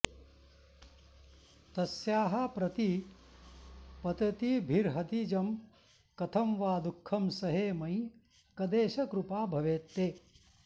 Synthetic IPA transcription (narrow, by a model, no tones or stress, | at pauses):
t̪ɐsjaːɦɐpɾɐt̪i | pɐt̪ɐt̪ibʱiɾɦɐt̪id͡ʒɐm | kɐt̪ʰɐmʋaːd̪ukʰːɐmsɐɦeːmɐj | kɐd̪eːʃɐkɾupaːbʱɐʋeːt̪ːeː